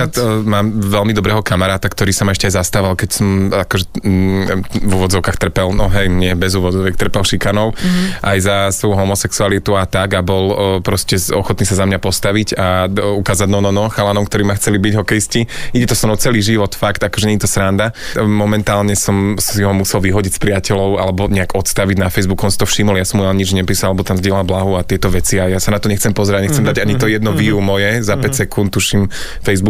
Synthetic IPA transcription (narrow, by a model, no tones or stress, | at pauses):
at̪maːmʋɛlmid̪ɔbɾɛːɦɔkamaɾaːt̪akt̪ɔɾiːsamaɛʃcɛajzast̪aʋalkɛcsɔmakɔʒɛ | vuʋɔd͡zɔʊkaːxt̪r̩pɛlnɔɦɛjɲɪɛbɛzuːʋɔd͡zɔʋɛkt̪r̩pɛlʃikanɔʊʔajzasʋɔjuɦɔmɔsɛksualit̪uat̪aɡabɔlpɾɔscɛɔxɔt̪niːsazamɲapɔst̪aʋiɟaukaːzaɟnɔnɔnɔxalanɔmkt̪ɔɾiːmaxt͡sɛlibiɟɦɔkɛjisciiɟɛt̪ɔsɔmɔt͡sɛliʒiʋɔt̪fakt̪akɔ̥ʒɛɲɛɲit̪ɔsɾand̪a | mɔmɛnt̪aːlɲɛsɔmsiɦɔmusɛlʋiɦɔɟicspɾiacɛlɔʊa̰lɛbɔɲɛaɡɔt̪st̪aʋiɟnafɛjzbukɔnsit̪ɔfʃimɔljasɔmualɲid͡ʒɲɛpiːsalalɛbɔt̪amzɟɪɛlalblaɦuat̪ɪɛt̪ɔʋɛt͡siajasanat̪ɔɲɛxt͡sɛmpɔzɛɾaɟɲɛxt͡sɛmd̪aɟaɲit̪ɔjɛd̪nɔʋiumɔjɛzapɛcsɛkunt̪t̪ːuʃim | fɛjzbu